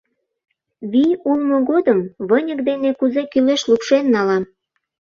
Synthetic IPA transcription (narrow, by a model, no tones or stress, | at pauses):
βiulmoɣod̪əmβənʲək̚d̪enekuzekyleʃlupʃenːɑlɑm